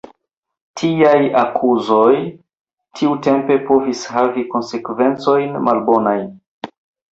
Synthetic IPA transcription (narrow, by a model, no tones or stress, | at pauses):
tʰiajakʰuzo̞j | tʰiute̞mpe̞po̞vishaviko̞nse̞kve̞nt͡so̞jnmalbo̞najn